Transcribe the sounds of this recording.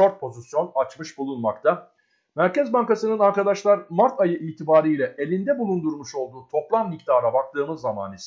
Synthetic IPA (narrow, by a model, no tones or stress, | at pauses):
oɾt̪̚pʰo̞zisjo̞nat͡ʃmɯʃbulˠunmakt̪ʰa | mæɾcɛzbaŋkasɯnɯnaɾkad̪aʃlˠaɾmaɾt̪ʰajɯʔiːt̪ʰibaːɾijlʲɛʔe̞lʲind̪ɛbulˠund̪uɾmuʃo̞lˠd̪uːt̪ʰo̞plˠamːikt̪ʰaːɾabak̚t̪ˠɯːmɯzːama̰ːnis